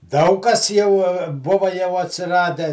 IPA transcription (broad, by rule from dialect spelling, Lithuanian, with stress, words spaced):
ˈdɐʊk kɐs ˈjɛʊ ˈbʊʋɐ jɛʊ ɐtʲsʲɪˈrɑːdʲɛ